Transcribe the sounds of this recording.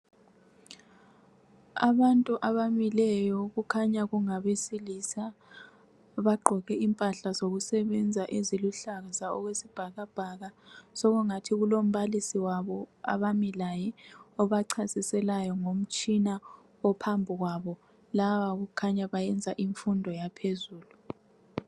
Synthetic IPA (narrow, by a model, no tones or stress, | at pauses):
a̰βantʼuʔaβamilɛjɔɣukʰaɲaɣuŋaβesilisa | βaɡ͡ǃʱɔɣɛimpʼaɬazoɣusɛβɛnd͡zʱaʔeziluɬaɣazaɔ̰ɣwesib̥ʱaɣab̥ʱaɣasɔɣuŋatʰiɣulom̩βalisiwaβɔa̰βamilajɛɔβaǀʰasisɛlajɔŋom̩t͡ʃʼina | ɔpʰambʱuɣwaβɔ | laβaɣukʰaɲaβajɛnd͡zʱaʔiɱfundʱɔjapʰezuːlu